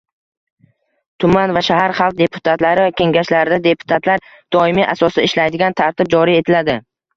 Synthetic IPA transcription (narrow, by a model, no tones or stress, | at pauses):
t̪ʰʊmanvaʃahaɾχɑlˠq̚d̪e̞pʰʊ̥t̪ʰat̪laɾɪvakʲʰe̞ŋɡʲaʃlaɾɪd̪ad̪e̞pʰʊ̥t̪ʰat̪ʰlaɾ | d̪̥ɒɪmiʔasɒsaɪʃlajd̪ɪɡʲant̪ʰaɾt̪ʰɪb̚d͡ʒɒɾije̞t̪ʰɪlad̪ɪ